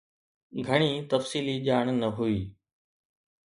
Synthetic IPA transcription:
ɡʱəɽ̃it̪ɐfsiːliʄaːɽ̃nɐɦuiː

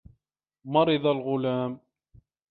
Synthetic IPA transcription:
mɑɾˤɨðˤalɣʊlaːm

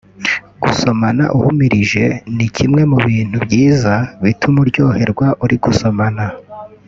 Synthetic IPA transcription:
ɡ̥uso̞mana̰ʔuhumiɾiʒe̞nicʰimŋe̞muβiːn̥hubɟiːzaβitʰumuɾɟo̞ːhe̞ɾɡwaʔuɾiɡuso̞mana

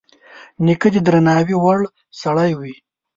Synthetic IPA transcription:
nikəd̪id̪ɾanɑːwiwaɽ | sɐɽajwi

